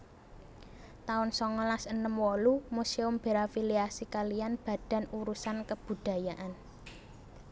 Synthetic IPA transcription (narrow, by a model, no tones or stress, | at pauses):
t̪aʊnsɔŋɔlasənəmwɔlumuseʊmb̥eɾafiliasikalianb̥ä̤d̪̥a̤nuɾusankəb̥ṳɖ̥a̤jaʔan